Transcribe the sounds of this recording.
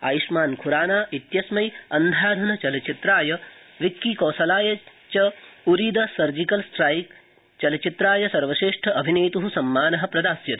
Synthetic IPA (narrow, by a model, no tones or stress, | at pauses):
a̰ːjiʃmaːnkʰuɾaːnaːʔit̪jɐsmɐjɐnd̪ʱaːd̪ʱɐnɐt͡ʃɐlɐt͡ʃit̪ɾaːjɐ | ʋikːikoːsɐlaːjɐ | t͡ʃɐuɾiːd̪ɐsɐɾd͡ʒikɐlsʈɾaːjk | t͡ʃɐlɐt͡ʃit̪ɾaːjɐsɐɾʋɐʃeːʂʈʰɐʔɐbʱineːt̪uɦusɐmːaːnɐɦɐpɾɐd̪aːsjɐt̪